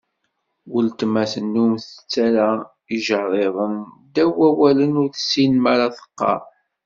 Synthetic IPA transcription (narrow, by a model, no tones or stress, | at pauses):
wəlt̪mæθənːumθə̥t͡sːæɾæ | iʒəɾɾˤeðˤəmd̪æwæwælənʊɾθə̥sːinmaɾaθə̥qːɑ̰ɾˤ